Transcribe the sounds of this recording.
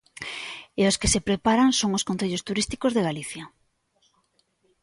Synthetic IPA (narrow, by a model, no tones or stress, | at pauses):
eoskesepɾepaɾaŋsoŋoskonθeʎost̪uɾist̪i̥kozðeɣaliθja